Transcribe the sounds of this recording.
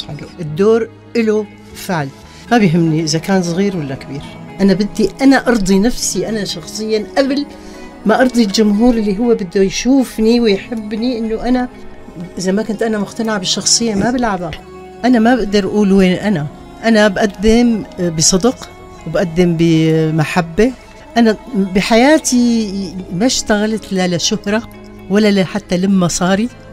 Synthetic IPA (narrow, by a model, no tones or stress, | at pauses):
lʔɪd̪ːoːɾ | ʔɪlʊ | fɪʕl | mabjɦɪmːniʔɪzakaːnsˤɣiːɾwalːakabiːɾʔanabɪd̪ːiʔanaʔɑɾˤd̪ˤinafsiʔanaʃɑxsˤɨjːaʔabl | maʔɑɾˤd̪ˤild͡ʒʊmɦuːɾʔɪlːiɦʊwːabɪd̪ːujʃuːfniwɪjħɪbːniʔɪnːʊʔana | ʔɪzamakʊnt̪ʔanamʊqt̪anaʕabɪʃːɑxsˤɨjːamabɪlʕaba | ʔanamabɪʔd̪ɑɾˤʔʔuːlweːnʔana | ʔanabʔad̪ːɪmbɨsˤɨd̪q | wɪbʔad̪ːɪmbɪmaħabːe | ʔanabɪħajaːt̪i | maʃt̪aɣalat̪lalaʃʊhɾˤɑ | walːalaħat̪ːalamːasˤɑːɾi